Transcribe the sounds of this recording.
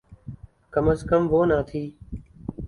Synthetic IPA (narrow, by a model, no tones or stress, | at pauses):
kəməzkəmʋoːnãːt̪ʰiː